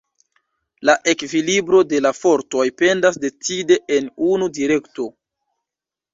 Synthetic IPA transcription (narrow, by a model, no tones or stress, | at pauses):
laʔe̞kvilibɾo̞de̞lafo̞ɾto̞jpe̞ndas̬de̞t͡side̞ʔenunudiɾe̞kto̞